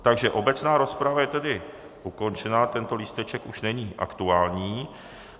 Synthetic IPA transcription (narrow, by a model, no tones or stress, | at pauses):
t̪aɡʒɛʔo̞bɛt͡snaːɾo̞spɾavajɛt̪ɛdɪ | ʔuko̞nt͡ʃɛnaːt̪ɛnt̪o̞liːst̪ɛt͡ʃɛkuʃnɛɲiːʔa̰kt̪uaːlɲiː